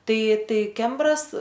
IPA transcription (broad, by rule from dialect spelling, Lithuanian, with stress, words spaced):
ˈtɐɪ ˈtɐɪ ˈkʲɛmbrɐs